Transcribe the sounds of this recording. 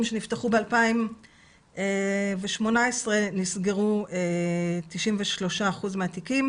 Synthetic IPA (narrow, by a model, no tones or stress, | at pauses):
mʃenifteχubealpaim | eveʃmo̞nae̞sʁe̞nisɡe̞ʁuet̪iʃimveʃlo̞ʃaːχuzmeatikim